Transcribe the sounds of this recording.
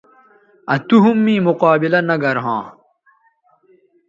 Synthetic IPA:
ɐt̪uɦumːĩːmuqaːbilɐnɐɡɐɾɦã̰ː

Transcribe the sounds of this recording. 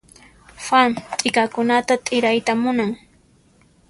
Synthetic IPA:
fant̪ʼɪkakʊnat̪at̪ʼɪɾajt̪amʊnaŋ

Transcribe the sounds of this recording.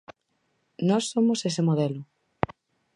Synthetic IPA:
nɔsːomosesemoðɛlʊ

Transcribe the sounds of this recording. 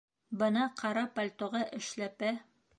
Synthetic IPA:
bɤ̆nɑqʰɑɾɑpɐlʲt̪oʁɑʔɘ̆ʃlæpæ

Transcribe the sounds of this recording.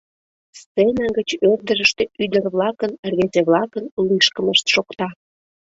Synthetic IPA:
stt͡senɑɡət͡ɕørd̪əɾəʃt̪eyd̪ərβlɑkənrβʲezeβlɑkənliʃkəməʃt̪ʃokt̪ɑ

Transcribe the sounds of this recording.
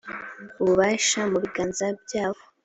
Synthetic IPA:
uβuβaːʃamuβiɡaːnzab̚ɟaːho

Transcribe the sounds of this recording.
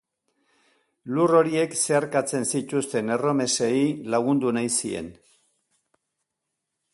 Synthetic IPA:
luro̞ɾie̞kse̞aɾkat͡se̞nsit̪ust̪e̞ne̞ro̞me̞seilaɣ̞und̪unajsie̞̰n

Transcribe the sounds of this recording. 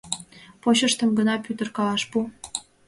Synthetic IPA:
poɕəʃt̪əmɡənɑpyt̪ərkɑlɑʃpu

